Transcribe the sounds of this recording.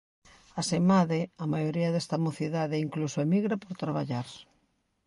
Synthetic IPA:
asemaðɪamajoɾiɐðest̪amoθiðaðɪiŋklusoemiɣɾapoɾt̪ɾaβaʎaɾ

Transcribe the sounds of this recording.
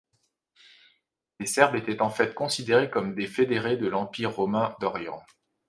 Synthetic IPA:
lesɛʁbet̪ɛt̪ɑ̃fɛt̪̚kɔ̃sid̪eʁekɔmd̪efed̪eʁed̪əlɑ̃piʁːɔmɛ̃d̪ɔʁjɑ̰̃

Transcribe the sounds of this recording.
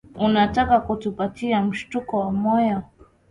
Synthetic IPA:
unatakakutupatiam̩ʃtukɔwamɔja

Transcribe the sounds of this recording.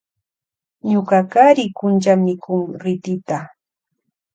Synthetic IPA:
ɲokakaɾɪkʊnt͡ʃamɪkʊŋɾɪt̪ɪt̪a

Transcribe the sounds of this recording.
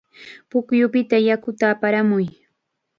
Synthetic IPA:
pʊkjʊpɪt̪ajakʊt̪aːpaɾamʊj

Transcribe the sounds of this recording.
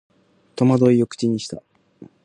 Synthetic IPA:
t̪o̞mad̪o̞iokɯ̟̥t͡ɕiɲ̟iɕi̥t̪a

